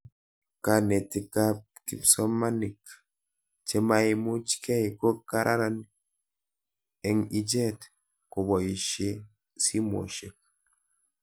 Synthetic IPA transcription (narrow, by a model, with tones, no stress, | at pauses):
ka˨ne˨ti˨ka˦p̚ | kḭ˨psɔ˦ma˦ni˨k | t͡ʃe˦ma˦i˦mu˦t͡ʃkɛ˦i˨ko˦ka˦ɾʔa̰˦ɾa˦n | ɛ˨ŋi˦d͡ʒe˦t | ko˨bɔ˨i˨ʃe˦ | si˦mo̰˨ʃe˨k̚